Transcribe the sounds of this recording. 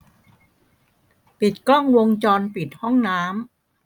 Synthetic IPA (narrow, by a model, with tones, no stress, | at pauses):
pi˨˩t̪̚kɔ˥˩ŋwo˧ŋt͡ɕɔː˧npi˨˩t̪̚hɔ˥˩ŋnaː˦˥m